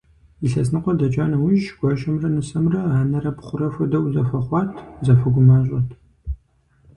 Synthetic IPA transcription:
iɬɐsnɨqʷɔdɐd͡ʒʼaːnɐwiʒɡʷɔʃɐmrɐnɨsɐmrɐaːnɐrɐpχʷʊrɐfʷɐdɐwzɐfɐχʷɑːtʰzɐfɐɡʷʊmaːɕʷʼɔtʰ

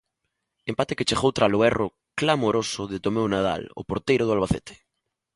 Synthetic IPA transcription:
empat̪eket͡ʃeɣowt̪ɾaloɛro | klamoɾosʊðet̪omewnað̞a̰lo̰poɾt̪ejɾoðʊalβaθet̪ʰe̥

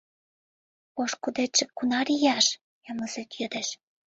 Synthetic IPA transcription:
poʃkud̪et͡ʃːĕkunɑɾijɑʃ | jɑmɤzet̪jø̆d̪ĕʃ

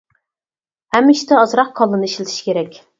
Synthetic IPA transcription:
hæmːɪʃt̪ɛɑzɾɑq̚qʰɑlˠːɨnɨiʃlɪt̪ʰi̥ʃi̥kʲʰeɾɛkʲ

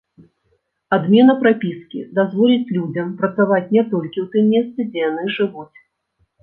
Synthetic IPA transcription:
ad̪mʲɛnɐpɾapʲiskʲḭd̪azvɔlʲit͡sʲlʲud͡zʲɐmpɾɐt̪savat͡sʲnʲɛt̪ɔlʲkʲiwt̪ɨmːʲɛst̪sɨd͡zʲɛjan̪ɨʐɨvut͡sʲ

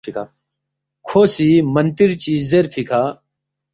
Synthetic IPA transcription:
ʈʰika | kʰoːsiːmɐnt̪iɾt͡ɕiːzːeɾfʰikʰaː

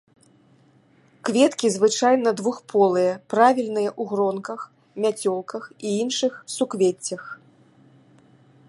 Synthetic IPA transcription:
kvʲɛt̪kʲizvɨt͡ʂajn̪ɐd̪vuxpʰɔlˠɨjɐpɾavʲilʲnɨjɐʔuɣɾɔnkɐx | mʲat͡sʲɔlˠkɐxiinʂɨxsukvʲet͡sʲːɐx

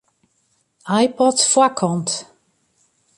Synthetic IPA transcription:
ajpɔtfwakʰɔnt

